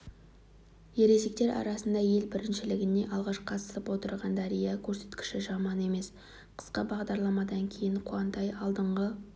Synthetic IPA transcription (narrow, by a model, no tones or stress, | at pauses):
je̞ɾe̞ze̞k̚t̪e̞ɾʔɑ̰ɾɑsənd̪ɑje̞lbɪɾɪnʃɪlɪɡʲɪne̞ʔɑlˠʁɑʃqʰɑt̪ə̥səpwo̞t̪əɾʁɑnd̪ɑɾijɑkʲʰɵɾse̞̥t̪kʲɪ̥ʃɪʒɑmɑne̞me̞s | qʰə̥sqəbɑʁd̪ɑɾlˠɑmɑd̪ɑŋkʲʰe̞jɪɴqʰuɑnt̪ɑjɑlˠd̪əɴʁə